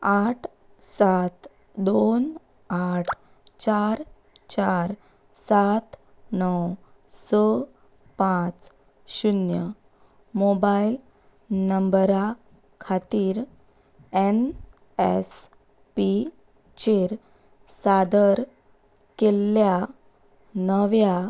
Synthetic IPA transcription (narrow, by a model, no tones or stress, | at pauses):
aʈʰ | sat̪ | d̪on | aʈʰ | t͡ɕaɾ | t͡ɕaɾ | sat̪ | nɔw | sə | pãt͡s | ɕunjə | mobail | nəmbəɾa | kʰat̪iːɾ | en | es | pi | t͡ɕeɾ | sad̪əɾ | kelːja | nəʋja